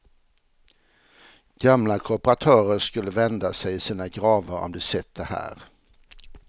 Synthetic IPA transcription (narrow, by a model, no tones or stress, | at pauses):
ɡ̥amlakʰʊpəɾat̪ʰœːɾəɾʂkɵlːəvɛnd̪asɛjɪsiːnaɡɾɑːvəɾɔ̰md̪ɛsɛt̪ːd̪ɛhæ̰ːɾ